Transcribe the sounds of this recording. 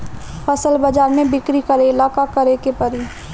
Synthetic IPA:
pʰɐsəlbɐd͡ʒaːɾmẽbɪkɾikəɾeɪlaːkakɐɾekepɐɾi

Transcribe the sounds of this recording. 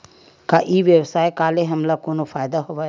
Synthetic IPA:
kaʔiːʋjəwsaːekaːleɦɐmlakoːnofaːjd̪aɦoːʋa

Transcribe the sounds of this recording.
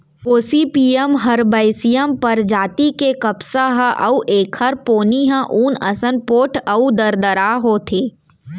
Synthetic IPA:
foːsipiːəmɦɐɾbaːɪsijəmpɐɾd͡ʒaːt̪ikekɐpsaɦaʔɐ̰uʔeːkʰɐɾpoːniɦãʔuːnɐsənpoːʈʰɐud̪ɐɾd̪əɾaːɦoːt̪ʰeː

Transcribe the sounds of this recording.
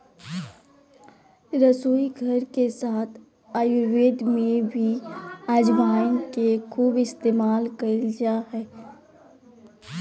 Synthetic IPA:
ɾəsoːiɡʱəɾkesaːt̪ʰ | aːjuʋeːd̪mẽbʱiaːd͡ʒbaːnkekʰuːbɪst̪eːmaːlkəd͡ʒaɦɛː

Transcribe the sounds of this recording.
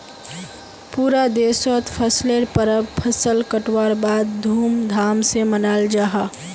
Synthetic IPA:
puːɾad̪eːswət̪pʰəsleɾpəɾəbpʰəsəlkəʈwaːɾbaːd̪̚ʱuːmd̪ʱaːmsemənaːld͡ʒaːɦa

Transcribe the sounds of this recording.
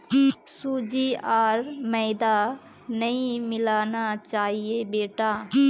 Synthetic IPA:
sud͡ʒiaːɾməɪd̪a | nəĩmɪlaːnat͡ʃaːɦiebeːʈa

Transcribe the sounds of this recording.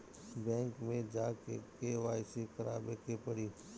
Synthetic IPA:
bɛ̃ːŋkmẽd͡ʒaːkekeʋaːɪsikəɾa̰ːbekepəɽiː

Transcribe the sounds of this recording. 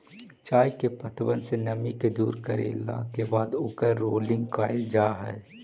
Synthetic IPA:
t͡ʃaːjkepət̪ʰwənsenɐmiked̪uːɾkəɾḛla̰kebaːd̪ʊkəɾːoːlɪ̃ŋɡkaːd͡ʒaːɦɛ̰ː

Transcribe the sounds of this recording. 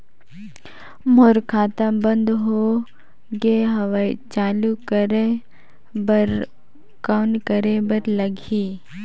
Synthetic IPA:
moːɾkʰaːt̪ãbə̃nd̪ɦo | ɡeɦɐʋait͡ʃaːlukəɾe | bəɾ | kaːnkəɾebəɾlɐɡʱiː

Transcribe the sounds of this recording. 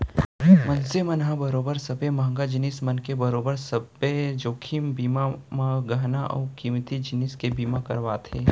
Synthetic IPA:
mɐnsemɐnɦãbɐɾoːbəɾsɐbemãːŋɡad͡ʒɪnismɐnkebɐɾoːbəɾsɐbed͡ʒoːkʰimbiːmamãɡɐɦnaʔɔ̰ːkiːmt̪id͡ʒɪnɪskebiːmakɐɾʋaːt̪ʰeː

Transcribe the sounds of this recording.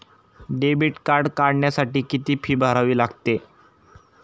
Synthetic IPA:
ɖebiʈkaɾɖkaɽɳjasaʈiːkit̪iːpʰiːbʱaɾaʋiːlaɡt̪e

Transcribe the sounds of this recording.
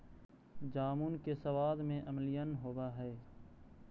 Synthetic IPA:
d͡ʒaːmunkesɐwaːd̪mẽʔɐmlɪjənɦoːwaɦɛː

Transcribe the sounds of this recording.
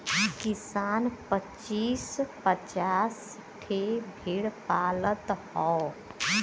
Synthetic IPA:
kɪsaːnpə | t͡ʃːiːspət͡ʃaːs | ʈʰebʱiɽpaːlət̪hɔː

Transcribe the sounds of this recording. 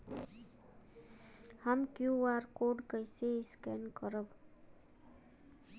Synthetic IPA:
hamkjũʋaɾkoɖkəjseskɛnkəɾəʋ

